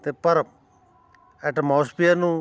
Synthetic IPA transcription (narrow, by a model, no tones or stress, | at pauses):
t̪eːpəɾ | ɛʈmɔːspijanũː